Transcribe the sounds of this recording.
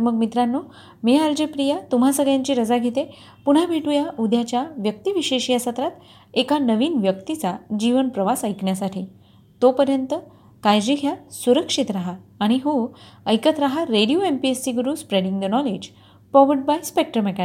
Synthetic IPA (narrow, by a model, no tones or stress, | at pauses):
məɡmit̪ɾanːo | meald͡ʑepɾijat̪um̤asəɡɭjãɲt͡ɕiːɾəd͡zaɡʱet̪e | puɽ̤abiʈujaʔud̪ʱjat͡ɕjaʋjək̚t̪iʋiɕeɕijasət̪ɾat̪ | ekanəʋiːnʋjəkt̪it͡sad͡ʑiʋənpɾəʋasəjkɳjasaʈʰiː | t̪opəɾjənt̪ə | kajd͡ʑiɡʱjasuɾəkʂit̪ɾaɦaːɽ̃iɦoəjkət̪ɾaɦaɾeɽijoempiesiɡəɾuːspɾeɽiŋɡd̪ənɔled͡ʑ | pɔʋəɖbajspek̚ʈɾəmeka